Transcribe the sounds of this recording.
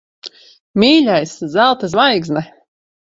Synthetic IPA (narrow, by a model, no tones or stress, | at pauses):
mʲiːlʲajszælˠt̪as̬vajɡznɛ